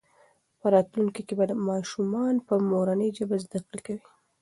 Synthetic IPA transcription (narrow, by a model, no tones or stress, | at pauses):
pəɾɑt̪luŋkikebad̪əmɑʃumɑnpəmoɾanəjd͡ʒəbazd̪aqɪlkawi